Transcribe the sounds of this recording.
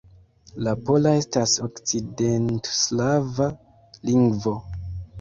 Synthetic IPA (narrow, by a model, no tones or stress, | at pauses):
lapo̞lae̞stasoksidentslava | liŋɡvo̞